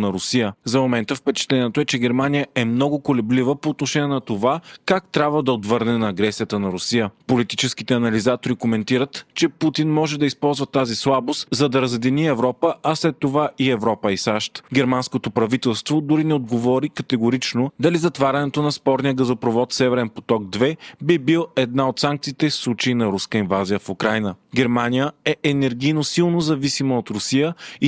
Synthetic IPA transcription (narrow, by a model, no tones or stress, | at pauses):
nɐɾʊsijəzɐmomɛnt̪əfpɛt͡ʃɛ̥t̪lɛniɛt̪oʊɛt͡ʃɛɡɛɾmanijəʔɛmnɔɡʊkolɛblivəpoːt̪noʃɛniɛnɐt̪ovakak̚t̪ɾʲabvəd̪ɐot̪vɤɾnɛnɐːɡɾɛsijət̪ənɐɾʊsijəpolit̪it͡ʃɛskit̪ɛɐnɐlizat̪oɾikomɛnt̪iɾət̪t͡ʃɛput̪inmɔʒɛd̪ɐispɔlˠzvɐt̪azislˠabost̪zɐd̪ɐɾɐzɛd̪iniɛvɾɔpəʔɐslɛt̪ːovaʔiɛvɾɔpəisaʃt̪ɡʲɛɾmanskot̪opɾɐvit̪ɛlˠst̪vod̪ʊɾinɛod̪ɡovɔɾikɐt̪ɛɡoɾit͡ʃnod̪ɐlizɐt̪vaɾʲɐnɛt̪onɐspɔɾnijəɡɐzopɾovɔt̪sɛvɛɾɛnpo̥t̪ɔɡ̚d̪vɛbibilˠɛd̪̚naot̪saŋk̚t̪siːt̪ɛfslˠut͡ʃeinɐɾuskəinvazijəfukɾajnəɡʲɛɾmanijəɛʔɛnɛɾɡʲijnosilˠnozɐvisimɐot̪ɾʊsijəi